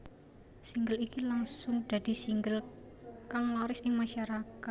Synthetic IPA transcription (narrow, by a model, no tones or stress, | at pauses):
siŋɡəlikilaŋsʊŋd͡ʒ̥ad̪̥i̤siŋɡəl | kaŋlɔɾɪsɪŋmaʃaɾakat̪̚